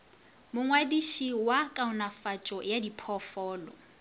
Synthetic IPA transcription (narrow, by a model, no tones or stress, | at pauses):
mʊŋwadiʃiwakʼaʊnafat͡ʃʼɔjadipʰɔfɔːlɔ̰